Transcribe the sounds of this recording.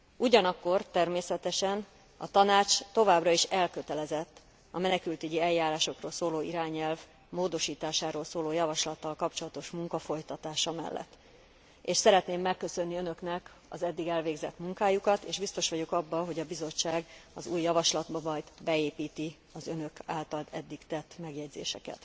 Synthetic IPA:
uɟɒnɒkːo̞rt̪ɛrmeːsɛt̪ɛʃɛn | ɒ̰t̪ɒnaːt͡ʃt̪o̞vaːbrɒiʃɛlkø̞t̪ɛlɛzɛt̪ː | ɒ̰mɛnɛkylt̪yɟiɛjːaːɾaːʃo̞kroːlsoːloːiɾaːɲɛlv | moːd̪o̞ʃiːt̪aːʃaːɾoːlsoːloːjɒvɒʃlɒt̪ːɒlkɒpt͡ʃo̞lɒt̪o̞ʃmuŋkɒfo̞jt̪ɒt̪aːʃɒmɛ̰lːʔɛ̰t̪ː | eːʃsɛɾɛt̪neːmːɛkːø̞sø̞nːiø̞nø̞knɛk | ɒ̰zɛd̪ːiɡɛlveːɡzɛt̪muŋkaːjukɒt̪eːʒbist̪o̞ʃʋɒɟo̞kɒbːɒɦo̞ɟɒbizo̞t͡ʃːaːɡɒzuːjːɒvɒʃlɒd̪bɒmɒjd̪bɛeːpiːt̪i | ɒzø̞nø̞kaːlt̪ɒlɛd̪ːikt̪ɛt̪ːmɛɡjɛɟzḛːʃɛ̰kɛ̰t̪

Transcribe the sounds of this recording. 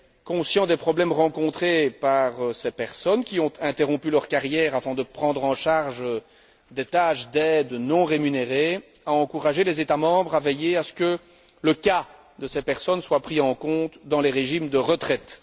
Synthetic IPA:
kɔ̃sjɑ̃d̪ɛpχɔblɛmʁɑ̃kɔ̃t̪χepaʁsepɛʁsɔnkʲiɔ̃t̪ʰɛ̃t̪eʁɔ̃pylœʁkaʁjɛːʁafɛ̃d̪əpχɑ̃d̪ʁɑ̃ʃaʁʒ | d̪et̪aʃd̪ɛd̪nɔ̃ʁemyneʁe | aɑ̃kuʁaʒelɛzet̪amɑ̃bʁavejeasə̥kə | ləka | d̪əsɛpɛʁsɔnswapχiɑ̃kɔ̃t̪d̪ɑ̃lɛʁeʒimd̪əʁət̪χɛt̪

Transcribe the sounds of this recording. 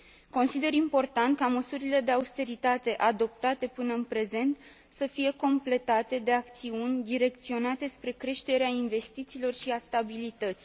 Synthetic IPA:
ko̞nsid̪e̞ɾimpo̞rt̪ant̪̚kaməsuɾile̞d̪e̞aust̪e̞ɾit̪at̪e̞ʔad̪o̞p̚t̪at̪e̞pɨnəɨnpɾe̞ze̞nt̪ | səfije̞ko̞mple̞t̪at̪e̞d̪e̞ak̚t̪siunʲd̪iɾe̞kt̪sio̞nat̪e̞spɾe̞kɾe̞ʃt̪e̞ɾeainve̞st̪it̪siːlo̞rʃiast̪abilit̪ət̪si

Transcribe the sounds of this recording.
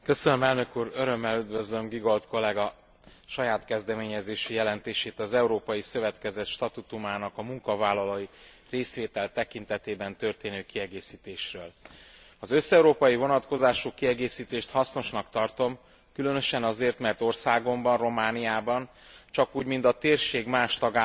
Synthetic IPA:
kø̞sønømɛlnø̞kuːɾøɾø̞mːɛlyd̪vø̞zlø̞mɡiɡo̞lt̪ko̞lɛɡɒ | ʃɒjaːt̪kɛzd̪ɛmeːɲɛzeːʃijɛlɛnt̪eːʃeːt̪ɒzɛuɾoːpɒjisø̞vɛt̪kɛzɛt̪ʃt̪ɒt̪ut̪umaːnɒkɒmuŋkɒvaːlːɒloji | reːsʋeːt̪ɛlt̪ɛkint̪ɛt̪eːbɛnt̪ø̞rt̪eːnøːkiɛɡeːsiːt̪eːʃrøːl | ɒzø̞sɛuɾoːpɒjivo̞nɒt̪ko̞zaːʃukiɛɡeːsiːt̪eːʃt̪hɒsno̞ʃnɒkt̪ɒrt̪o̞m | kylø̞nø̞ʃɛnɒzeːrt̪mɛrt̪o̞rsaːɡo̞mbɒnro̞maːnijaːbɒn | t͡ʃɒkuːɟmint̪ɒt̪eːrʃeːɡmaːʃt̪ɒɡa

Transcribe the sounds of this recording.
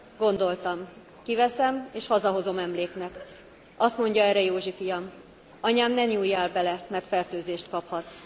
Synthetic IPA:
ɡ̥o̞n̪d̪o̞lt̪ɒm | kivɛsɛmeːʃhɒzɒɦo̞zo̞mɛmleːknɛk | ʔɒst̪mo̞ɲɟɒɛrɛjoːʒifijɒm | ɒɲaːmnɛɲuːjːaːlbɛlɛmɛrt̪fɛrt̪øːzeːʃt̪kɒphɒt̪s

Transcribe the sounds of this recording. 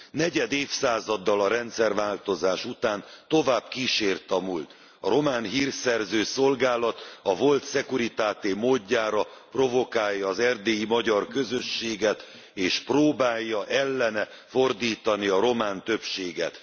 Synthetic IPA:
nɛɟɛd̪eːfsaːzɒd̪ːɒlɒɾɛnt̪sɛrvaːlt̪o̞zaːʃut̪aːnt̪o̞vaːbkiʃeːrt̪ɒmult̪ | ɒɾo̞maːnɦiːrsɛrzøːso̞lɡaːlɒt̪ɒvo̞lt̪sɛkuɾit̪aːt̪eːmoːɟːaːɾɒpro̞vo̞kaːjːɒːzɛrd̪eːjimɒɟɒrkø̞zø̞ʃːeːɡɛt̪ | eːʃproːbaːjːɒʔɛlːɛnɛ | fo̞rd̪iːt̪ɒniɒɾo̞maːnt̪ø̞pʃeːɡɛ̰t̪

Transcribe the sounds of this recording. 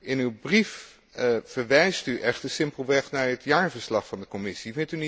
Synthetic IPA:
ɪnywbrif | vəɹʋɛjstyʔɛχtəsɪmpəlˠʋɛχnaːɹɦətjaːɹvəɹslɑχfɑndəkɔmɪsivɪntyni

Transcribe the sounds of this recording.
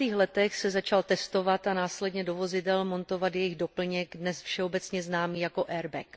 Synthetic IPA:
iːxlɛt̪ɛxsɛzat͡ʃalt̪ɛst̪o̞vat̪anaːslɛdɲɛdo̞vo̞zɪdɛlmo̞nt̪o̞vat̪jɛjɪɣdo̞pl̩ɲɛkdnɛsfʃɛobɛt͡sɲɛznaːmiːjako̞ʔɛɾbɛk

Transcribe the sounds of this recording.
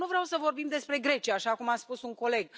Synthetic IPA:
nuvɾeawsəvo̞rbimd̪e̞spɾe̞ɡɾe̞t͡ʃiaaːʃakumat̪spusuŋko̞le̞ɡ

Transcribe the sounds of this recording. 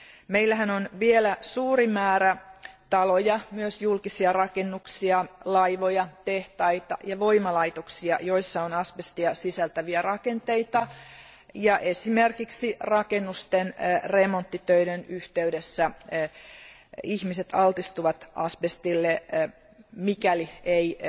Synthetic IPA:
meilːæɦænonʋielæsuːrimæːɾæt̪ɑlojɑmyøsjulkisiɑrɑkenːuksiɑlɑjʋojɑt̪eht̪ɑit̪ɑjɑʋo̞imɑlɑit̪oksiɑ̰jo̞isːɑonɑspest̪iɑsisælt̪æʋiærɑke̞nt̪eit̪ɑ | jɑʔesimerkiksirɑkenːust̪enremont̪ːit̪øiɾenyht̪eydesːæ | ihmiset̪ɑlt̪ist̪uʋɑt̪ʔɑspest̪ilːe | mikæliei

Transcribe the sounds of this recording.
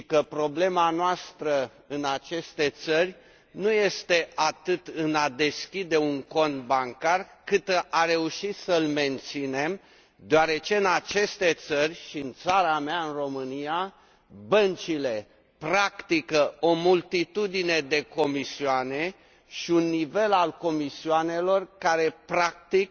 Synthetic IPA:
kəpɾo̞ble̞manoast̪ɾə | ɨnat͡ʃe̞st̪e̞t̪sərʲ | nuje̞st̪e̞ʔat̪ɨt̪ɨnad̪e̞skʲid̪e̞uŋko̞nt̪baŋkarkɨt̪ʔaɾe̞uʃit̪səlme̞nt̪sine̞m | d̪eaɾe̞t͡ʃe̞ɨnat͡ʃe̞st̪e̞t̪sərʲʃiɨnt̪saɾameaɨnro̞mɨnija | bənt͡ʃile̞ | pɾakt̪ikəo̞mult̪it̪ud̪ine̞d̪e̞ko̞misiane̞ | ʃiunːive̞lalko̞misiane̞lo̞rkaɾe̞pɾak̚t̪ik̚

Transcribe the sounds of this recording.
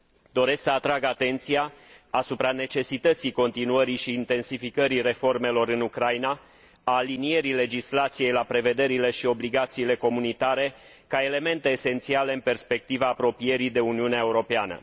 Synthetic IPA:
d̪o̞ɾe̞sksəat̪ɾaɡat̪e̞nt̪sijaasupɾane̞t͡ʃe̞sit̪ət̪siko̞nt̪inuəɾiʃiːnt̪e̞nsifikəɾire̞fo̞rme̞lo̞ɾɨnukɾajna | aːlinije̞ɾile̞d͡ʒislat̪sije̞jlapɾe̞ve̞d̪e̞ɾile̞ʃio̞bliɡat̪siːle̞ko̞munit̪aɾe̞ | kae̞le̞me̞nt̪e̞ːse̞nt̪siale̞ɨnpe̞rspe̞k̚t̪ivaːpɾo̞pije̞ɾid̪e̞uniuneae̞uɾo̞peanə̰

